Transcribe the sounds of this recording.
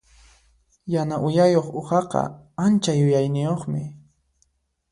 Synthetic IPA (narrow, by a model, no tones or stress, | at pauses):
janaʔʊjajoχʊχɑqɑ̰ant͡ʃajʊjajnɪjoχmɪ